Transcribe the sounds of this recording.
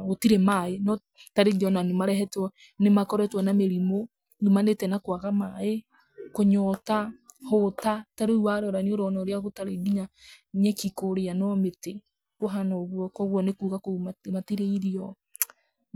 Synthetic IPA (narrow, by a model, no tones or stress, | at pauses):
otiɾɛmaenɔ | taɾeɣiɔnanumaɾɛɦɛtwɔ | nemakɔɾɛtwɔnameɾimo | numanetɛnakwaɣamae | koɲɔtahotataɾeuaɾɔɾanioɾɔnɔɾeaɣotaɾeɡiɲaɲɛkikoɾeanɔmete | koɦanɔɣwɔkɔɣwɔnekuːɣakoumamatiɾeiɾiɔ